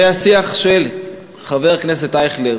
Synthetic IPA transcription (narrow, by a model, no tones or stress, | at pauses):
easiaχʃel | χaveʁknes̬et̪ajχle